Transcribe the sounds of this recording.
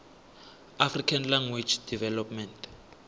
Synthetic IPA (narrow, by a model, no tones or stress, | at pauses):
afrikʰanlaŋɡwid͡ʒd̥ivɛlɔpmɛntʰ